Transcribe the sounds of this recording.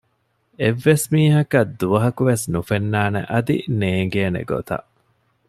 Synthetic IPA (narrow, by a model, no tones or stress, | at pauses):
eʋːesmiːɦɐkɐd̪ːuʋɐɦɐkuʋesnufenːaːnḛʔɐd̪ḭneːŋɡeːnḛɡo̰t̪ɐ̰ʔ